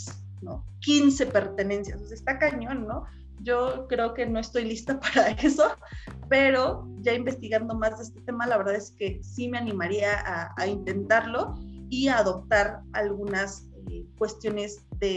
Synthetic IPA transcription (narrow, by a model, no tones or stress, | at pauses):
no̰kinse̞pe̞ɾt̪e̞ne̞nsjasosast̪akaɲo̞nːo | ʝo̞kɾe̞oke̞no̞e̞st̪o̞jlist̪apaɾaeso̞ | pe̞ɾo̞ʝaimbe̞st̪iɣand̪o̞mazðeest̪et̪e̞malaβeɾðaðeske̞sime̞anĩmaɾiaʔaaint̪e̞nt̪aɾlo̞iaːðo̞p̚t̪aɾalɣunas | ekwe̞st̪jo̞ne̞zðe̞